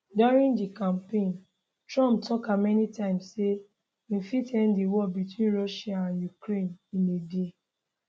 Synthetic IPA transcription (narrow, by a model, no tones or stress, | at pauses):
dɔɹĩndikãmpẽn | tɹɔ̃mp̚tʰɔkamɛnitãɪ̃mse | ĩfitɛ̃ndiwɔbitwĩnɹɔʃiaãnjukɾẽninede